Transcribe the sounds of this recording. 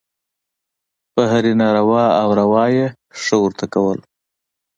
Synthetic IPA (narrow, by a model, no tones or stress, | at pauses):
pəɦaɾinaɾawɑawɾawɑje | ʂəwəɾt̪akawəl